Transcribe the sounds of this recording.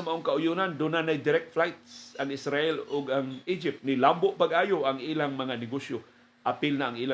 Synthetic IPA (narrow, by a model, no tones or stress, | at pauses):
maʔoŋkaʔʊjunand̪ʊnanajd̪ɪɾɛk̚t̪flajt̪̚saŋɪsɾaʔɛlʊɡaŋid͡ʒɪp̚t̪̚nɪlambʊʔpaɡʔaːjoʔaŋʔilaŋmɐŋanɪɡosjo | ʔapɪlnaʔːŋʔiːla